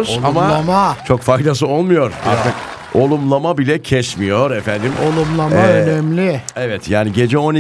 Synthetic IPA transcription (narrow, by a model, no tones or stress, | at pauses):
zamaamat͡ʃʰo̞kfajd̪as̬ɯo̞lˠmujo̞ɾa̰ɾt̪ʰɯk | o̞lˠumlˠamabilʲɛcʰɛʃmijo̞ɾɛfænd̪imolˠumlˠamaønɛmlʲɪɛvɛt̪jaːniɟe̞d͡ʒɛo̞ni